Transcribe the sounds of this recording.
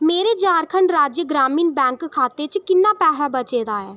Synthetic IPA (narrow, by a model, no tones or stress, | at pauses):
meːɾeːt͡ʃaːɾkʰəɳɖɾaːd͡ʒjəɡɾaːmiːnbɛ̃ːŋkkʰːaːt̪eːt͡ʃkɪnːãːpɛːɦaːbət͡ʃeːd̪aːɛː